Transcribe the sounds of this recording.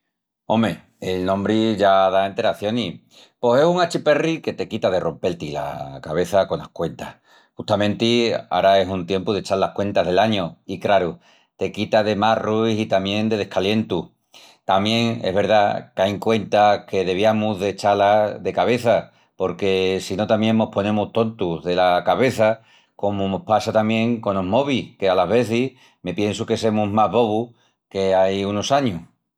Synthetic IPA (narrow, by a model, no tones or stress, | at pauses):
o̞me | elnõmbɾiʝaðaent̪e̞ɾaθjo̞ni | po̞se̞suŋat͡ʃipe̞rike̞t̪e̞kit̪aðe̞ro̞mpe̞lt̪ila̰kaβ̞e̞θako̞na̰hkwe̞nt̪ah | xut̪amẽnt̪ia̰ɾae̞sunt̪je̞mpuðe̞t͡ʃalahkwe̞nt̪aɦð̞e̞laɲoikɾaɾu | t̪e̞kit̪að̞e̞maruisit̪amjẽ̞nd̪e̞ð̞e̞hkalje̞nt̪u | t̪amjẽ̞ŋe̞̰ɦβ̞e̞ɾðakajŋkwe̞nt̪ake̞ðe̞βjamuðe̞t͡ʃalaðe̞kaβe̞θa | po̞ɾke̞sino̞t̪amjẽ̞ŋno̞po̞nẽ̞muht̪o̞nt̪uðe̞lakaβe̞θa | ko̞monohpasat̪amjẽ̞ŋko̞noɦmo̞βihke̞alaɦβe̞θih | me̞pjensuke̞se̞muɦmaɦβo̞βu | ke̞ajuno̞saɲuh